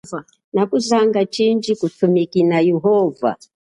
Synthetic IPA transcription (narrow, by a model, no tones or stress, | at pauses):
a | nakuzaŋɡat͡ʃind͡ʒikutumikinajɛɦɔva̰